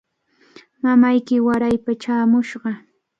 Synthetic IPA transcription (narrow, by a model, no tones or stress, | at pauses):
mamajkɪwaɾajpat͡ʃaːmʊʃɢɑ